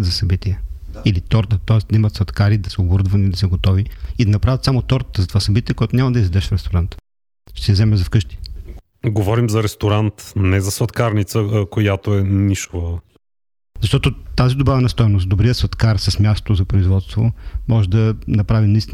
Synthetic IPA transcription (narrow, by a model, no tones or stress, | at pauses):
t̪zɐsɐbit̪iɛilit̪ɔɾt̪ət̪ɔɛsd̪ɐimɐt̪svɐt̪kaɾid̪ɐsɛoboɾd̪vɐnid̪ɐsɛɡot̪ɔviid̪ɐnɐpɾavʲət̪samot̪ɔɾt̪ə̥t̪əzɐt̪ovasɐbit̪iɛkoat̪onʲamɐd̪ɐizvɛd̪ɛʃfɾɛst̪oɾant̪ | ʃt̪ɛ̥sɛzɛmɛzɐfkɤʃt̪i̥ | ɡovɔɾimzɐɾɛst̪oɾant̪nɛzɐsvɐt̪kaɾnit̪səkojat̪oɛniʃvə | zɐʃt̪ɔt̪ot̪azid̪obavɛnɐst̪ɔjnosd̪obɾijəsvɐt̪kaɾsəsmʲjasot̪ozɐpɾoizvɔt̪st̪vo̰mɔʒɛd̪ɐnɐpɾavinɐist̪i